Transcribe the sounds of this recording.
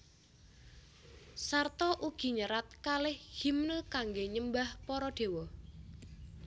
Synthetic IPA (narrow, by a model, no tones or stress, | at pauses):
sart̪ɔʔuɡ̥i̤ɲəɾat̪̚kalɪhhimnəkaŋɡeɲəmbahpɔɾɔɖ̥e̤wɔ